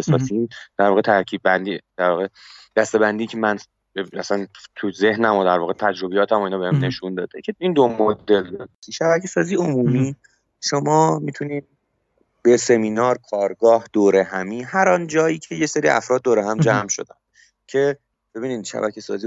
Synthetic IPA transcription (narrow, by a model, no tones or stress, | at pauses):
esɒːsind̪̥æɾvɒːɣet̪ʰæɾcʰiːd̪̚bænd̪iːd̪̥æɾvɒːɣed̪̥æst̪e̞bænd̪iːcʰemæn | æ̰sænt̪ʰuzehnæmod̪æɾvɒːɣet̪ʰæd͡ʒɾo̞bejɒːt̪ʰæmoinhɒbehæmne̞ʃund̪ɒːd̪ecʰeind̪omod̪eld̪ɒːd̪iiʃæbæcʰesɒːziːomuːmiː | ʃo̞mɒːmit̪ʰuniːm | b̥ese̞miːnɒːɾkʰɒːɾɡɒːhd̪̥oːɾeɦæmiːɦæɾɒːnd͡ʒɒːjiːcʰe̞jeseɾḭːæ̰fɾɒːd̪̚ːoːɾeɦæmd͡ʒæmʃo̞̰d̪æn | cʰe̞ | b̥e̞biːniːd̪̥ʃæ̰bæ̰cʰesɒ̰ːziː